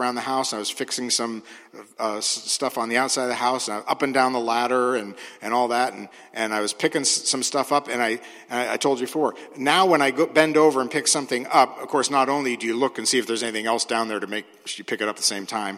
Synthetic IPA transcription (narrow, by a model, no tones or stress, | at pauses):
ãʊ̃nðɨhaʊsə̃naɪwʌz̥fɪksɪ̃ŋsʌ̃mʌsstʌfn̩ðiaʊtsaɪd̪̚ðɨɦaʊsnaɪʔʌpɨ̃ndãʊ̃nðəlæɾə˞ɨ̃nɨ̃ñɔlˠðæɾn̩ | ʔɨ̃naɪwʌz̥pʰɪkɪ̃ŋssʌ̃mstʌfʌpɨ̃naɪ | ɨ̃naɪa̰ɪtʰoʊlˠd͡ʒɨbɨfɔɹnaʊwə̃ñaɪɡoʊbɛ̃ndoʊvə˞ɨ̃npʰɪksʌ̃mθɪ̃ŋʌp̚ʌv̥kʰɔɹsnəɾõʊ̃nlidɨjɨlʊkɨ̃nsiɨfðə˞zɛniθɪ̃ŋɛlˠsd̥ãʊ̃nðə˞ɾɨmeɪk̚ | jɨpʰɪkɨɾʌp̚ðəsẽɪ̃mtʰãɪ̃m